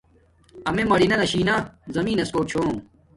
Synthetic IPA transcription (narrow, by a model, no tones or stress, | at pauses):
ɐmemɐɽinɐnɐɕiːnɐzɐmiːnɐskoːt͡ɕʰoː